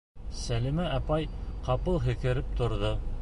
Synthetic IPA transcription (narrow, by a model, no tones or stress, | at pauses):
sælimæʔɑpɑjqɑpɤlˠɦɘ̆kɘ̆ɾɘp̚t̪ŏɾðo